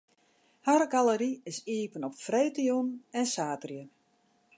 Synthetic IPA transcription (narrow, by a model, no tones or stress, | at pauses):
haɾɡaləɾiɪsiːpənɔpfreːtijunɛnsaːtrjə